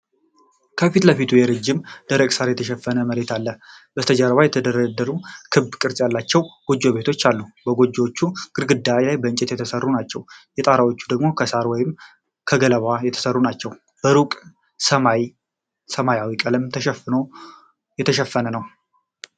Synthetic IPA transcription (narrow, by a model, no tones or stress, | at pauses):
kʰəfit̪ləfit̪ʰujɛɾɨd͡ʒːɪmd̪̥əɾəkʼsaɾjɛt̪ʰəʃɛfːənəməɾe̞t̪ʰalːəbət̪ʰəd͡ʒəɾβajɛt̪ʰəd̪əɾəd̪əɾukʰɨbkʼɨɾsʼjalːat͡ʃːɛwɡ̥o̞d͡ʒːo̞βe̞t̪ʰo̞t͡ʃːalːubəɡo̞d͡ʒːo̞t͡ʃːuɡ̥ɨɾɡɨd̪ːajlajbəɨnt͡ʃʼɛt̪jɛt̪ʰəsərːunat͡ʃːɛwjɛt̪ʼaɾawo̞t͡ʃːu̥d̪əɡmo̞kʰəsaɾwɔjɪm | kʰəɡələβajɛt̪ʰə̥sərːunat͡ʃːɛw | b̥əɾukʼ | səmaj | səmajawikʼələmt̪ʰʃo | jɛt̪ʰəʃɛfːənənəw